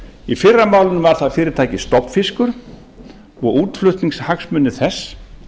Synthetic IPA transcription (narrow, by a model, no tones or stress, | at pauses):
ifɪrːamaːwlʏnvaɾ̥θaðfɪːɾɪɾt̪ʰajcɪst̪ɔpfɪskʏɾ̥ | ɔɣuːt̪flʏht̪niŋshaksmʏnːɪθɛsː